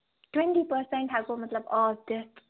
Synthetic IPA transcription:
ʈwɛ̃ɳʈipəɾsɛ̃ɳʈɦaɡoːmɐt̪ləbɔːd̪ɪs

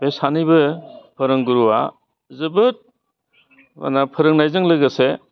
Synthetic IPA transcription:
besanibɯpʰɯɾɯŋɡuɾuwa̰ | zɯbɯt̚ | ma̰napʰɯɾɯŋnajzɯŋlɯɡase

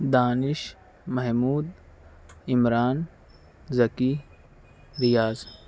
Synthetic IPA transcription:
d̪aːnɪʃ | mɐɦmuːd̪ | ɪmɾaːn | zɐki | ɾɪjaːz

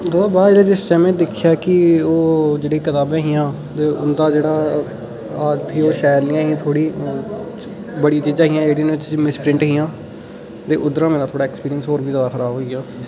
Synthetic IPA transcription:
ɦobaːd͡ʒeːɽaːd͡ʒɪst͡ʃɛːmẽːd̪ɪkʰːɪjaːkɪoːd͡ʒeːɽeːiːk̪ət̪aːbẽːɦijãː | t̪eːʔʊnd̪aːd͡ʒeːɽaː | aːt̪iːoːʃɛːɾnɪjãːɦĩt̪ʰoːɽiː | bəɽijaːt͡ʃiːd͡ʒãːɦɪjãːd͡ʒeːɽiːnõt͡ʃːmɪspɾɪ̃ɳʈɦiːãː | t̪eːʔʊd̪ɾãːmẽːnaːt̪ʰoːɽaːɛkspiːɾiənsɦoːɾʋiːzjaːd̪aːxʰəɾaːbɦoːiɡaː

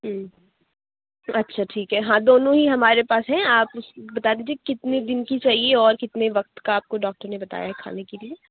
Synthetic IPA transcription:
ɦ̩ | ɐtːʃʰaʈʰiːkɦɛɦãd̪oːnõɦiɦɐmaːɾepaːsɦɛ̃aːpʊsbɐt̪aːd̪iːd͡ʒiekɪt̪ned̪ɪnkit͡ʃaːɦieɔːɾkɪt̪neʋɐq̚t̪kaaːp̚koɖɔːk̚ʈəɾnebɐt̪a̰ːjaɦɛkʰa̰ːnekelieː

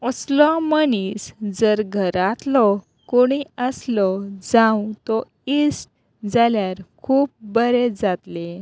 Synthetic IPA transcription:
ɔslɔmənisd͡zəɾɡʱəɾat̪lɔ | koɽ̃iəslɔd͡zãwt̪ɔ | isʈ | d͡zaljaɾkʰuːp̚bəɾed͡zat̪le

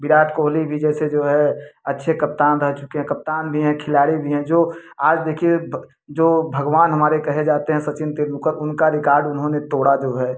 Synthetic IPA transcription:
bɪɽaːʈʰkoːɦlibʱid͡ʒɛːsed͡ʒoːɦɛɐtːʃʰekɐp̚t̪aːnɾɐɦt͡ʃʊkeɦɛ̃kɐp̚t̪aːnbʱiɦɛ̃kʰɪlaːɽibʱiɦɛ̃d͡ʒoːaːd͡ʒd̪eːkʰie | d͡ʒoːbʱɐɡʋaːnɦəɐmaːɾekɐɦed͡ʒaːt̪eɦɛ̃sɐt͡ʃɪnt̪ɪɾnʊkəɾʊnkaɾɪkaːɾɖʊnɦõnet̪oːɽad͡ʒoːɦɛː

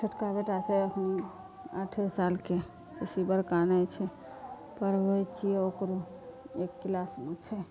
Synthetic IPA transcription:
t͡ʃʰəʈkabeʈat͡ʃʰɛəkʰən | aʈʰesalke | pəsibəɾkanət͡ʃʰɛ | pəɾbəjt͡ʃieokɾo | ekːlasmet͡ʃʰɛ

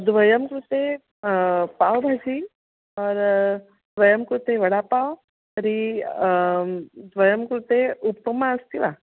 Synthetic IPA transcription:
d̪ʋɐjəmkɾut̪e | pawbʱad͡ʒi | ɔːɾ | d̪ʋɐjəmkɾut̪eʋɐɽapaw | əɾi | d̪ʋɐjəmkɾut̪eupːɐmaəst̪iʋa

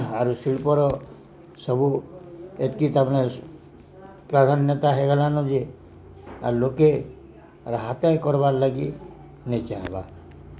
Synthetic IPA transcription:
aɾusiɭpɔɾɔ | səbu | et̪kit̪amne | pɾad̪ʱanjət̪aɦeɡəlanɔd͡ʒe | a̰ɾloke | ɾɦat̪ajkɔɾbaɾlaɡi | nəit͡ʃaɦba̰

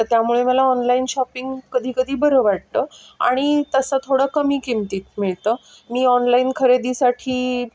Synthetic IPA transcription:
ət̪jamuɭeməlaɔnlainɕɔpiŋɡkəd̪ʱiːkəd̪ʱiːbəɾəːʋaɽ̚t̪ə | a̰ɽ̃it̪əsət̪ʰoɽəkəmiːkimt̪iːt̪̚miɭt̪əː | miːɔnlaiːnkʰəɾed̪iːsaʈʰiː

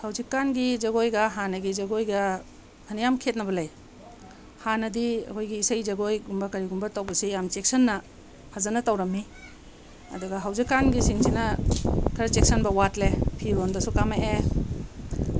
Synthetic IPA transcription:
hawzikːanɡizɐɡojɡɐɦanɐɡizɐɡojɡɐ | hʰɐnijamkʰet̚nɐbɐlɐj | hanɐdiɐ̰kʰojɡiːsɐjzɐɡojɡumbɐkɐɾiɡumbɐtawbɐsijamt͡ʃek̚sɐnːɐ | hazɐnɐtɐwɾɐmːi | ɐ̰duɡɐɦawzikːanɡisiŋsinɐkʰɐɾɐt͡ʃek̚sɐnbɐwatlepʰiɾondɐsukamaʔe

